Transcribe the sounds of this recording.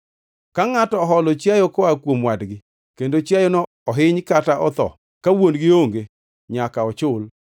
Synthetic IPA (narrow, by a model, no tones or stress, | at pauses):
kaŋatɔːɦɔlɔt͡ʃjajɔkɔakwomwadɡɪ | kendot͡ʃjajɔnɔ | ɔɦɪɲkataʔɔt̪ɔ̰ | kawonɡɪoŋɡe | ɲakaɔt͡ʃʊl